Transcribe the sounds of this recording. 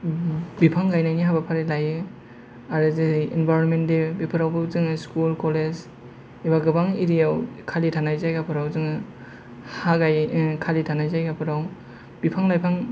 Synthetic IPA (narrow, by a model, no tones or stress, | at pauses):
bipʰaŋɡajnajniɦabapʰaɾilajɯ | aɾɯzɯenbajɾɔnmendebipʰɯɾawbɯzɯŋɯskulkɔled͡ʒ | ebaɡɯbaŋiɾijawkʰalitʰanajzajɡapʰɯɾawzɯŋɯ | haɡajkʰalitʰanajzajɡapʰɯɾaw | b̥ipʰaŋlajpʰaŋ